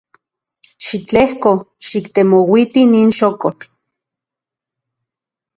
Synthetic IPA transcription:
ʃit͡ɬehko | ʃikt̪emowit̪iniːnʃokot͡ɬ

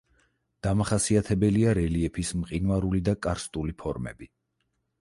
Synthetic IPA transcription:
d̪̥amaχasiat̪ʰɛbɛliaɾɛliɛpʰismqʼinvaɾulid̪akʼaɾst̪ʼulipʰɔɾmɛ̰bi

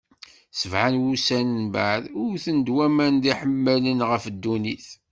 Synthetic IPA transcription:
səvʕanwusænənba̰ʕðʊɾθənd̪wæmænd̪iħəmːælənʁəfd̪ːuniθ

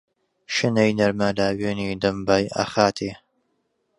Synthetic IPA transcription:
ʃɨnɐjnɐɾmalaːweːniːd̪ɐmbaːjɐ̰xaːt̪ʰeː

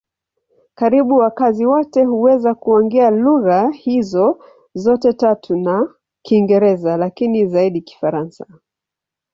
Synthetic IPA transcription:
kaɾiɓuwakaziwɔtɛhuwɛzakuɔŋɡialuɣahizɔ | zɔtɛtatʰuna | kiŋɡɛɾɛzalakinizaiɗiki̥faɾansa

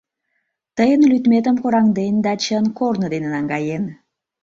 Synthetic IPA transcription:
t̪əjənlyt̪mʲet̪ə̆mkoɾɑŋd̪end̪ɑt͡ɕənkornəd̪enənɑŋɡɑjen

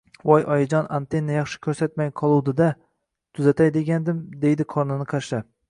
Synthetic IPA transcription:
wɒjʔɒjɪd͡ʒɒnʔa̰nt̪e̞nːajɑχʃɪ̥kʲʰɵɾsat̪majqʰɒlˠuwd̪ɪd̪a | t̪ʰʊzat̪ajd̪e̞ɡʲand̪ɪmd̪e̞jd̪ɪqʰɒɾnɪnɪqʰaʃa

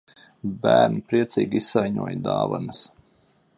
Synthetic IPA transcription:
bæːɾnipɾiɛt̪siːɡiisːajɲuɔjd̪aːva̰nɐs

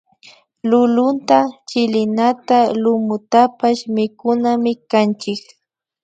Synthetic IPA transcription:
lʊlʊnt̪at͡ʃɪlɪnat̪alʊmʊt̪apaʃmɪkʊnamɪkant͡ʃɪk

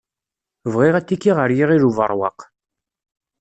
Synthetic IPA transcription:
vʁiʁæt͡s̪ːikːiʁəɾjiʁiɾuvə̰ɾˤwɑ̰q

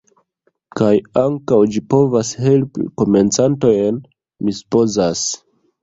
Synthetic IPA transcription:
kajaŋkawd͡ʒipo̞vashe̞lpḭko̞me̞nt͡santo̞jn | misu̥po̞zas

